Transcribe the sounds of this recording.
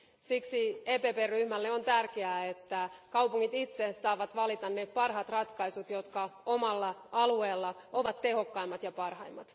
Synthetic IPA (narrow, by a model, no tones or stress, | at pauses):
siksieːpeːpeːryhmælːeo̞nt̪ærk̟eæet̪ːækɑwpuŋːit̪it̪sesɑːʋɑt̪ʋɑlit̪ɑnːepɑrɦɑt̪rɑt̪kɑjsut̪jo̞t̪kɑomɑlːɑɑlueːlːɑo̞ʋɑt̪te̞ɦo̞kːɑimːɑt̪jɑpɑrhɑjmːɑt̪